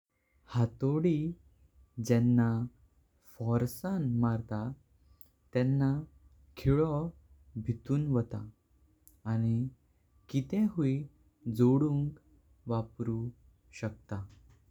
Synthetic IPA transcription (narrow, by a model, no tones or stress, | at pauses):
hat̪oɽi | d͡ʑɛnːa | fɔɾsanmaɾt̪a | t̪ɛ̃nːa | kʰiɭɔ | bʱit̪uːnʋət̪a̰ː | ñi | kit̪ɛ̃ɦui | d͡zoɽuŋk | ʋapɾu | ɕək̚t̪a